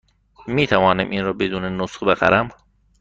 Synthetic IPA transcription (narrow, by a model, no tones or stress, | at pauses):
miːt̪ʰævɒːnæmʔiːnɾɒːbed̪uːnenosχbeɣæ̰ɾʔæm